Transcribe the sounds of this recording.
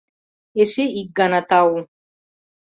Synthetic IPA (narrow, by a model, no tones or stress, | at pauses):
eʃiiɡanat̪awu